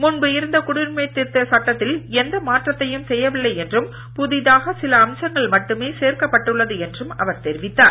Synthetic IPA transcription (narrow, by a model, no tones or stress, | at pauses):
mʊɳbɯɪɾɯnd̪ɐkʊɽɪɾmɐɪt̪ːɪt̪ːɐsɐʈːɐt̪ːɪlɛnd̪ɐmaːʈrɐt̪ːɐjɯmsɛjːɐʋɪlːɐɪɛndrɯm | pʊðɪðaːɣɐsɪlɐːmsɐŋɡɐɭmɐʈːɯmeːseːɾkɐpːɐʈːɯɭːɐðɯɛndrɯmɐ̰ʋɐɾt̪ɛɾɪʋɪt̪ːaːɾ